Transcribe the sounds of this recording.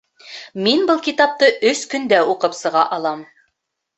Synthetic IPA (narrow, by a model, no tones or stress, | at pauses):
minbɤlˠkit̪ɑp̚t̪ɤʔɵskɵ̆nd̪æuqɤpsɤ̆ʁɑ̰ʔɑlˠɑm